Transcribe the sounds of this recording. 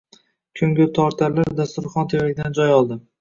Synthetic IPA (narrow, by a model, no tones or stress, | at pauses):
kʲʰɵŋɡʲɪt̪ʰɒɾt̪ʰaɾlaɾd̪ast̪ʊɾχɒnt̪ʰejɾaɡʲd̪and͡ʒɒjɒlˠd̪ɪ